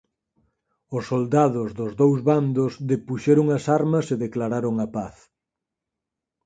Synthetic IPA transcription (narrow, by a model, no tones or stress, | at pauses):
ʊsːold̪aðʊzðʊzðowzβand̪ʊzðepuʃɛɾʊŋɐsaɾmɐseðeklaɾaɾʊŋɐpaθ